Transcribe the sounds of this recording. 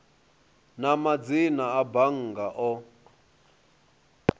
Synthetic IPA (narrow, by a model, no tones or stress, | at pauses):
namad͡zinaabaŋ̩ɡaʔɔ